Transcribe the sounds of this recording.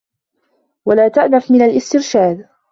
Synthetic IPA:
walaːt̪aʔnafmɪnalʔɪst̪ɪɾʃaːd̪

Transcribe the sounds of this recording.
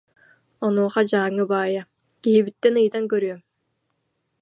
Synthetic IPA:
ɔnuːχad͡ʑaːŋɯbaːja | kiɦibit̪ːɛnɯjt̪aŋkœɾyœm

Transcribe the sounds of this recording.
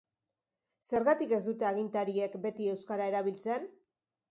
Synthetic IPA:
se̞ɾɣat̪ike̞zd̪ut̪e̞aɣ̞int̪aɾie̞kbe̞t̪ie̞wskaɾae̞ɾaβ̞ilt͡se̞n

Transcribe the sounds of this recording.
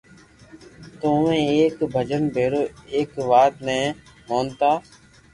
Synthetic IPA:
t̪oːmẽːeːkbʱəd͡ʒənbʱeːɾoːeːkʋaːt̪nɛ̃ː | moːnt̪aː

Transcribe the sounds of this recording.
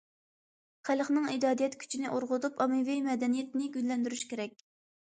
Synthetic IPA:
χælˠχnɨŋid̪ɑːd̪ijɛt̪kʲʰy̥t͡ʃʰinɪʔoɾʁʊt̪upɑmɨvijmɛd̪ɛnijɛt̪̚nɪɡʲyllɛnd̪yɾyʃkʲʰeɾɛk̚ʲ

